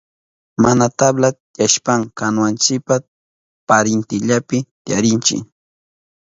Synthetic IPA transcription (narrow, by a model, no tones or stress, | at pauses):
manat̪abla | jaʃpaŋkanwant͡ʃɪpa | paɾɪnt̪ɪʎapɪt̪jaɾɪnt͡ʃɪ̰